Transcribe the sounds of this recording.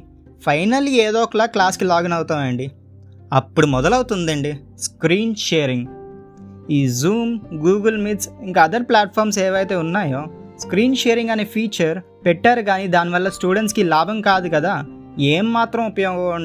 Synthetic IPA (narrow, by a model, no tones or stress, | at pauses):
pʰɐjnɐlːieːd̪ɔːkɐɭaːklaːskilaːɡɐnɐwt̪aːʋɐɳɖi | ɐpːuɽumɔd̪ɐlɐwut̪und̪ɐɳɖi | skɾiːnʃeːɾiŋɡ | iːzuːmɡuːɡɐlmit̪siŋkaːd̪ɐɾplaːʈ̚pʰaːɾmseːʋɐjt̪e̞ːunːaːjoː | skɾiːnʃeːɾiŋɡɐneːpʰiːt͡ʃɐɾ | pɛʈːaːɾukaːnid̪aːniʋɐlːɐsʈuːɽeɳʈskilaːbʱɐmkaːd̪ukɐd̪aː | eːmːaːt̪ɾɐmupɐjoːɡɐɳ